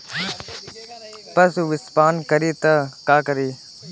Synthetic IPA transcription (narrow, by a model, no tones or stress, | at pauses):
pɐsuʋɪspaːnkəɾiːt̪ɐkaːkəɾiː